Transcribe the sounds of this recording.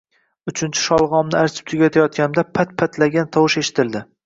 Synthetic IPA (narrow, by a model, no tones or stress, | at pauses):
ʊt͡ʃʰɪnt͡ʃʰɪ̥ʃɒlˠʁɒmnɪaɾt͡ʃʰɪ̥p̚t̪ʰʊɡʲat̪ʰajɒt̪̚kʲanɪmd̪apʰat̪̚pʰat̪ʰlaɡʲant̪ʰɒwɪʃeʃɪ̥t̪ʰɪld̪ɪ